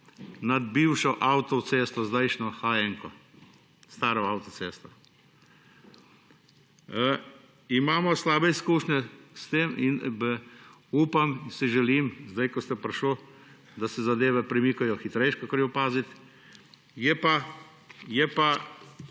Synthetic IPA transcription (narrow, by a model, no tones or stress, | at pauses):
nad̪̚biwʃɔʔawt̪ɔt̪seːst̪ɔzd̪ajʃnɔxajɛŋkɔ | st̪aːɾɔawt̪ɔseːst̪ɔ | imaːmɔslaːbɛiskuːʃnʲɛst̪eːmin | uːpamsiʒɛlimzd̪ajkɔst̪ɛpɾʃlo | d̪asɛzad̪eːʋɛpɾɛmikʊjɔxit̪ɾɛjʃkɔkɔɾjɛʊpaːzit̪ | jɛpa | jɛpa